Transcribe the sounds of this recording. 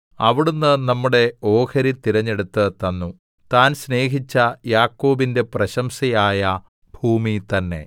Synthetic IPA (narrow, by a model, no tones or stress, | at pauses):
ɐʋiɽunːɨnɐmːuɽe̞o̞ːkʰɐɾit̪iɾɐɲːe̞ɽut̪ːɨt̪ɐnːu | t̪aːnsne̞ːɦit͡ɕːɐjaːkːo̞ːbinde̞prɐɕɐmsɐjaːjɐ | bʱuːmit̪ɐnːe̞̰